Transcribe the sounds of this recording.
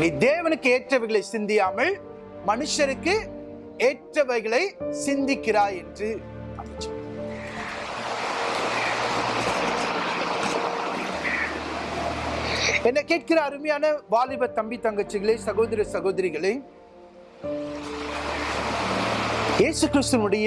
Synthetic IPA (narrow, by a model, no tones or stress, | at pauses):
niːd̪eːʋɐnɯkːɯeːʈrɐʋɐɪɣɐɭɐɪsɪnd̪ɪjaːmɐl | mɐnɯʂɐɾɯkːɯ | eːʈrɐʋɐɪɣɐɭɐɪsɪnd̪ɪkːɪɾaːɛndrɯ | ɛnːɐkeːʈ̚kɪɾɐːɾɯmɐjaːnɐʋaːlɪbɐt̪ːɐmbɪt̪ːɐŋɡɐt͡ʃːɐɣɐɭeːsɐɣoːðɐɾɐsɐɣoːðɐɾɪɣɐɭɐ | jeːsɯkɪɾɯst̪ɯnɯɽɐjɐ